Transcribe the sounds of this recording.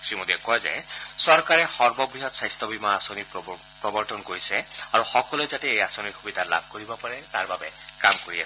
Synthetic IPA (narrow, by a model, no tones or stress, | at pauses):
ksɹimod̪iɛkɔjzɛ̰sɔɹkaɹɛxɔɹbɔbɹiɦɔtsajst̪ʰɔbimaːsoni | pɹɔbɔɹtɔnkoɹisɛaɹuxɔkɔlojzatɛejasoniɹxubid̪ʱala̰b̚ʱkoɹibɔpaɹɛtaɹbabɛkamkoɹias